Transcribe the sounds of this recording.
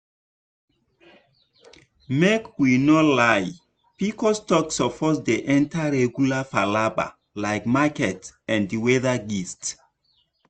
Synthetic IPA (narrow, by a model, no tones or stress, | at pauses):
mekwinɔlaj | pikɔstɔksɔfɔtdeʔɛ̃ntaɹɛɡjulafalaba̰ | laɪkmakɛtɛ̃ndiwɛðaɡist